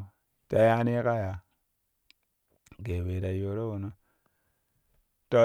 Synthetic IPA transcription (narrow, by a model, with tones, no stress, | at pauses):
ta˨ja˦ne˦ka˦ja˨ | ɡe˨we˨ɾa˨jo˨ɾo˦wo˨no˦ | to˨